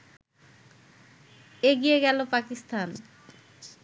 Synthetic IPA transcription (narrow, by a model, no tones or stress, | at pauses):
eɡijeɡɛlopakist̪an